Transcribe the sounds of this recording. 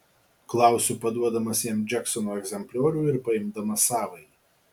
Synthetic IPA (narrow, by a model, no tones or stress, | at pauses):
klˠɑˑʊsʲuːpɐd̪uɔd̪ɐmɐsjiɛmd͡ʒʲɛksɔnoːɛɡzʲɛmʲpʲlʲoːɾʲuːɪɾpɐɪmd̪ɐmɐsɑːʋɐɪ